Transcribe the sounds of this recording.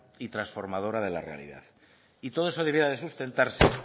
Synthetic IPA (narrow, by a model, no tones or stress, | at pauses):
it̪ɾasfo̞ɾmað̞o̞ɾað̞e̞la̰re̞a̰lḭða̰ð | it̪o̞ð̞oe̞so̞ð̞eβjeaðe̞sust̪e̞nt̪aɾse